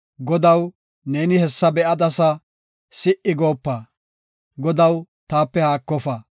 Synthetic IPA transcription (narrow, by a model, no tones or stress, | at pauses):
ɡɔd̪ɐw | ne̞ːnɪhɛsːɐbɛʔɐd̪ɐsɐ | sɪʔɪɡo̞ːpːa | ɡɔd̪ɐw | t̪aːpːɛhaːkːɔfɐ